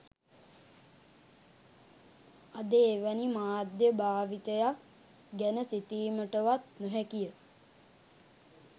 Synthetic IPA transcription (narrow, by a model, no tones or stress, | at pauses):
ad̪eːʋænimaːd̪jəbaːʋit̪əjak | ɡɛnəsit̪iːməʈəʋat̪nuɦækijə